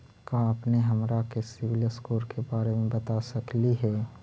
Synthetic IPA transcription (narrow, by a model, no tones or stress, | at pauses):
kaːpneɦɐmɾakesɪʋɪləskoːɾkʰebaːɾemẽbɐt̪asɐkliɦɛː